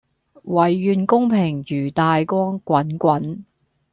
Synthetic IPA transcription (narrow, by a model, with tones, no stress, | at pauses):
wɐ˨jːyː˨˧nkʊ˥ŋpʰɪ˨˩ŋjyː˨˩t̪aː˨jkɔː˥ŋkʷɐ˨˥nkʷɐ˨˥n